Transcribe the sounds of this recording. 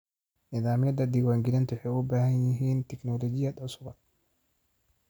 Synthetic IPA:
nɪðaːmɪjɐd̪ɐd̪iːwaːŋɡɪlɐnt̪ʰʊħɛʊbaːhɐnjɪɦiːnt̪ʰɛknɔːlɔːd͡ʒɪjɐd̪ɐsʊbɐd̪̚

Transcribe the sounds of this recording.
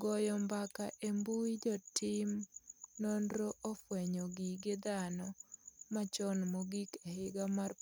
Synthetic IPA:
ɡɔjɔmbakaʔembuid͡ʒɔtɪmnɔndɾoʔofwɛɲɔɡiɡɪd̪anɔmat͡ʃɔnmoɡikehɪɡamar

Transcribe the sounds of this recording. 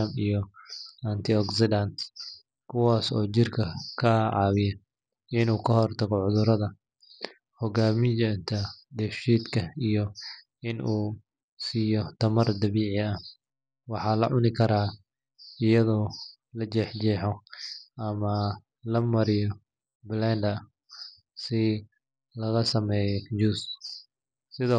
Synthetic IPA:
amijɔɐnt̪ʰɪɔɡsɪdɐnt̪ | kʰʊwaːsɔ̰ːt͡ʃɪrkʰɐkʰɐʕɑ̰ːwɪjɐ | ɪnuːkʰɐhɔrt̪ʰɐɣɔʕʊðʊɾɐðɐ | hɔɡaːmɪjɛnt̪ʰɐd̪ɛfʃiːd̪kʰɐijɔ | ɪnʔuː | siːjɔt̪ʰɐmɐrd̪ɐβiːʕɪɐ | wɑħɑːlɐʕʊnɪkʰɐɾaː | ɪjɐðɔː | lɐt͡ʃɛːħd͡ʒɛːħɔɐmɐ | lɐmɐɾɪjɔ | blɛːnd̪ɐ | sɪ | lɐɣɐsɐmɛːjd͡ʒuːs | sɪðɔː

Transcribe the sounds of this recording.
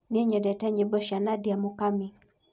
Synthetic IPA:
niɛɲɛdɛtɛɲebɔʃjanadjamʊkami

